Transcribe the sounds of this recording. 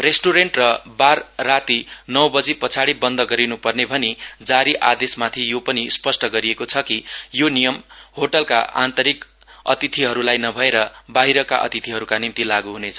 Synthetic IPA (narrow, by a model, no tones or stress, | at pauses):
resʈuɾeɳʈrʌbarːat̪inʌwbʌd͡zipʌt͡sʰaɽibʌnd̪ʌɡʌɾinupʌrnebʱʌnid͡zaɾiʔad̪esmat̪ʰijopʌnispʌsʈʌɡʌɾiekot͡sʰʌkijonijʌmɦoʈʌlka̰ʔa̰nt̪ʌɾikʌ̰t̪it̪ʰiɦʌɾulajnʌbʱʌeɾʌbaɦiɾʌkaʔʌ̰t̪it̪ʰiɦʌɾukanimt̪ilaɡuɦunet͡sʰʌ̥